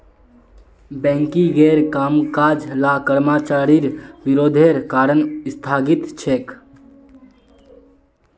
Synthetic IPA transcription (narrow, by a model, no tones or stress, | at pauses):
bɛ̃ːŋkiɡeːɾkaːmkaːd͡ʒlaːkəɾmaːt͡ʃaːɾiɾʋɪɾoːd̪ʱeːɾkaːɾənɪst̪ʰaːɡit̪t͡ʃʰeːk